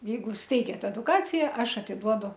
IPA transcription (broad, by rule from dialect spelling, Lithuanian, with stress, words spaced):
ˈjɛɪɡʊ ˈsʲtʲɛɪɡʲɛt ɛdʊˈkɑːt͡sʲɪjɛ ˈɐʃ ɐtʲɪˈduɔdʊ